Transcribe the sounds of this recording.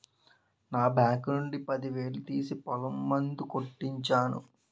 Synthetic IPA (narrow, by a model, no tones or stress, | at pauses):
naːbaːknuɳɖipɐd̪iʋe̞ːlut̪iːsipɐlɐmːɐnd̪ukoʈːiɲt͡ʃaːnṵ